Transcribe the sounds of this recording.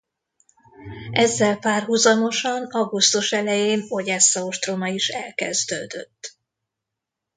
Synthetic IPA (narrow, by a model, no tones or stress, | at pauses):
ɛzːɛlpaːrɦuzɒmo̞ʃɒnɒɡust̪uʃɛlɛjeːno̞ɟɛsːɒoʃt̪romɒiʃɛ̰lkɛzd̪ø̰ːd̪ø̰t̪ː